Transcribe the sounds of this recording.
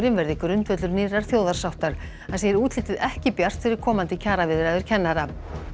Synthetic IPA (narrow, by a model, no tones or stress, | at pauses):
ɾɪnvɛɾðɪkɾʏnt̪vœt̪lʏɾniːraɾ̥θjoːwðaɾ̥sawht̪aɾ̥ | asejɪɾuːt̪ʰlɪːt̪ɪðɛhcɪpjar̥t̪fɪɾɪɾkʰɔːmant̪ɪcʰaːɾavɪːðɪɾaðʏɾ̥cʰɛnːaɾa